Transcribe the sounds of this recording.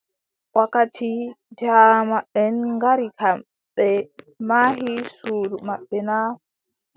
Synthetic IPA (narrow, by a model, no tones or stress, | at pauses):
wakatʰid͡ʒamaɛnŋɡaɾikʰam | ɓɛ | mahisuːɾumaɓːɛna